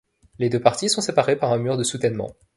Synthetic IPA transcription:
led̪øpaʁt̪isɔ̃sepaʁepaʁɛ̃myʁd̪əsut̪ɛnmɑ̰̃

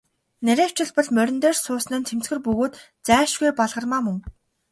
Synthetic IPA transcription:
næɾʲæːw̥t͡ɕɪ̆ɮpɔ̆ɮmœɾʲɪ̆nt̪eːrsʊːsnɘ̆nt̪ʰem̥t͡sɡɘ̆rpɵɣoːt̪ | t͡sæːʃɡujpaɮʁə̆rmaːmɵŋ

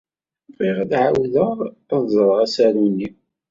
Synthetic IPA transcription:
viʁæd̪ʕawðəʁ | əðzˤɾˤʁæsæɾuni

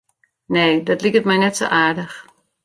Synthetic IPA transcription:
neːdɔtlikətmɛjnɛtso̰ːʔaːɹdəx

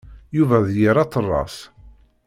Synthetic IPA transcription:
juvæðjəɾɑt̪ˤːərˤːɑ̰s

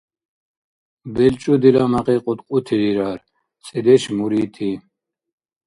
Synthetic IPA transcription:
bɛlt͡ʃʼud̪ilamaqʼiqʼut̪qʼut̪ʰid̪iɾaɾ | t͡sʼid̪ɛʃmuɾiːt̪ʰi

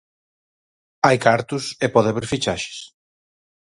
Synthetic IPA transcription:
ajkaɾt̪ʊsepɔðaβeɾfit͡ʃaʃe̥s

